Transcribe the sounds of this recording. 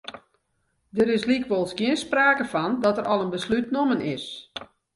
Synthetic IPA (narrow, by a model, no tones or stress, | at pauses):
dəɾɪslikʋolˠsɡiənspraːkəfɔndɔtəɾʔɔlˠənbəslytnomənɪs